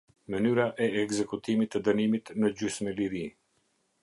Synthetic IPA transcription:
mənyɾaʔɛɛkzɛkut̪imit̪ːəd̪ənimit̪nəd͡ʑysmɛliɾi

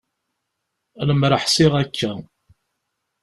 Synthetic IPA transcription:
ləmɾəħsɪʁækʰːæ

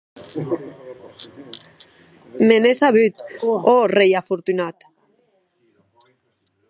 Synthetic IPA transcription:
menesaβyt̪orejafoɾt̪unat̪

